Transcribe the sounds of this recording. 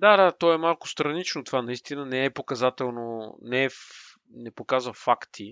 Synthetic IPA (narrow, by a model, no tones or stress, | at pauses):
d̪ad̪at̪ɔɛmalˠkʊ̥st̪ɾɐnit͡ʃnot̪ovanɐist̪inənɛɛpokɐzat̪ɛlˠnonɛɛ | nɛpokazvɐfakt̪ʰi